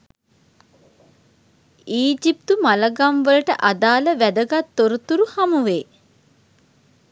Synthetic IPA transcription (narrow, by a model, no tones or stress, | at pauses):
iːd͡ʒip̚t̪umaləɡamʋələʈəʔad̪aːləʋæd̪əɡat̪ːoɾut̪uɾuhamuʋeː